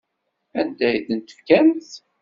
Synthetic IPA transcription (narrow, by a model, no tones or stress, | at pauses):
ænd̪æjðənt̪ə̥fkænθ